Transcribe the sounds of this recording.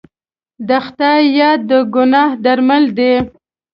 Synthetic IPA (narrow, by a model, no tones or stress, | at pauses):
d̪əxt̪ɑjjɑd̪ːəɡʊnɑhd̪aɾmald̪e